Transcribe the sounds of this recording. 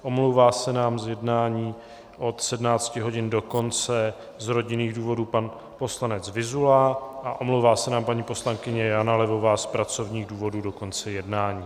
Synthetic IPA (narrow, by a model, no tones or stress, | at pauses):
ʔo̞mlowvaːsɛnaːmzjɛdnaːɲiː | ʔo̞t̪sɛdmnaːt͡scɪɦo̞ɟɪndo̞ko̞nt͡sɛ | zɾo̞ɟɪniːɣduːvo̞duːpan | po̞slanɛt͡svɪzulaʔaʔo̞mlowvaːsɛnaːmpaɲiːpo̞slaŋkɪɲɛjanalɛvo̞vaːspɾat͡so̞vɲiːɣduːvoduːdo̞ko̞nt͡sɛjɛdnaːɲiː